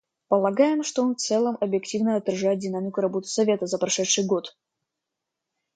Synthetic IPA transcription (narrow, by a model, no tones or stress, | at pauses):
pəlˠɐɡajɪmʂt̪oonft̪sɛlˠəmɐbjɪktʲivnəɐt̪ːɾɐʐajɪt̪̚ʲdʲɪnamʲɪkʊɾɐbo̞t̪ɨ̥sɐvʲe̞t̪əzəpɾɐʂɛt̪ʂɨjɡo̞t̪